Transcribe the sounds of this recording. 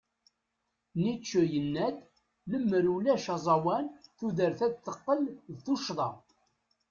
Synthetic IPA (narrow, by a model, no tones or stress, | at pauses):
nit͡ʃːujənːæd̪ | ləmːəɾulæʃɑzˤɑwænθuðəɾθæd̪θəqːəlðθuʃðˤɑ